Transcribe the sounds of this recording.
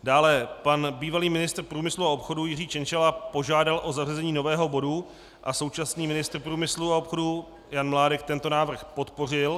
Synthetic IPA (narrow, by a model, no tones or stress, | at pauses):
daːlɛpanbiːvaliːmɪnɪst̪r̩pɾuːmɪsluao̞pxo̞dujɪriːt͡ʃɛnt͡ʃɛlapo̞ʒaːdalʔo̞zarɛzɛɲiːno̞vɛːɦo̞bo̞du | ʔaso̞wt͡ʃasniːmɪnɪst̪r̩pɾuːmɪsluao̞pxo̞du | janmlaːdɛkt̪ɛnt̪o̞naːvr̩xpo̞t̪po̞r̝ɪl